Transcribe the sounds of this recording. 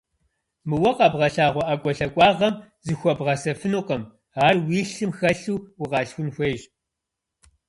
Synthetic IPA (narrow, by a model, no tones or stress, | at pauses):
mɨwɐqɑbʁɐɬaːʁʷɔʔakʷʼɔɬɐkʷʼɑːʁɐmzɨxʷɔbʁɐsɐfɨnuːqɐm | aːrwiːɬɨmxɐɬuwwʊqɑːɬxʷʊnxʷeːʒ